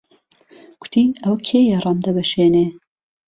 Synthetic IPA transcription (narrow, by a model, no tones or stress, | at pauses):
ɡ̥ʊ̥t̪ʰiːɐwkʰeːjɛrɑmd̪ɐbɐʃeːne